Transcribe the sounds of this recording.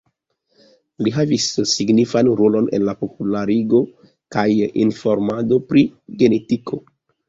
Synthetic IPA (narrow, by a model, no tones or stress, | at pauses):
liɦavisːiɡnifanɾolo̞ne̞̰nlapo̞pulaɾiɡo̞ | kajḭnfo̞ɾmado̞pɾiɡe̞ne̞tikʰo̞